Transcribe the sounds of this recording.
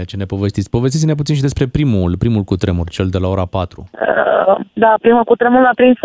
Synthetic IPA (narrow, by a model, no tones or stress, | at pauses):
t͡ʃene̞po̞ve̞st̪it̪sʲpo̞vest̪it̪sinaput̪sinʃ̬id̪e̞spɾe̞pɾimulpɾimulkut̪ɾemurt͡ʃe̞ld̪e̞lao̞ɾapat̪ɾṵəd̪apɾimulkut̪ɾemuɾlapɾims